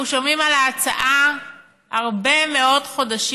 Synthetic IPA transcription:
uʃo̞mimalaːt͡sa̰ʔa | aʁbe̞me̞o̞dχo̞daʃi

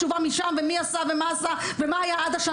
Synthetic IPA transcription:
uvamiʃamvemiasavemaːsavemaajaad̪aʃa

